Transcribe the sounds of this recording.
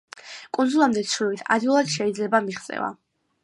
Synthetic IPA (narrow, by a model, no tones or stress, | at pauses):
kʼund̪zulˠamd̪ɛt̪sʰɾivit̪ʰa̰d̪iulˠad̪̥ʃɛid̪zlɛbamiχt̪sʼɛ̰va̰